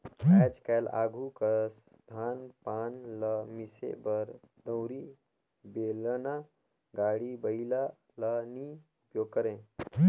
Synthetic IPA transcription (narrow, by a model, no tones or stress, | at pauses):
ɛd͡ʒkɛla̰ːɡʱukəs | d̪ʱanpaːnləmisḛbəɾ | d̪ə̃wɾi | beləna | ɡaːɽibəila | ləniupjoɡ̚kəɾẽ